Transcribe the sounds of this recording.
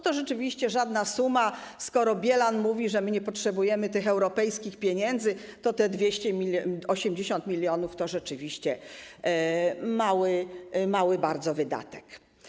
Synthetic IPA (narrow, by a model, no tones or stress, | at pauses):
t̪ɔʐɛt͡ʂɘvʲiɕt͡ɕɛʐad̪nasumaskɔɾɔbʲjɛlanmuvʲiʐɛmɘɲɛpɔtʂɛbujɛmɘt̪ɘxɛwɾɔpɛjskʲixpʲjeɲɛnd̪zɘ | t̪ɔt̪ɛd̪vʲjeɕt͡ɕɛmʲiɔɕɛmd͡ʑeɕɔnt̪mʲilʲjɔnuft̪ɔʐɛt͡ʂɘvʲiɕt͡ɕɛ | mawɘmawɘbaɾd̪zɔvɘd̪a̰t̪ɛ̥k